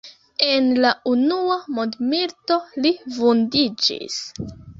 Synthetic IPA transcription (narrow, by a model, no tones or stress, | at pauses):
e̞nlaunuamondmiɾto̞livundid͡ʒḭs